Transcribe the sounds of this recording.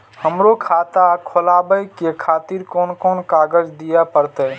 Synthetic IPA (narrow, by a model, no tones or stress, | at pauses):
həmɾokʰat̪akʰolaːbəjkekʰaːt̪iɾkɔːnkɔːnkaːɡəd͡ʒd̪ijapəɾt̪ɛ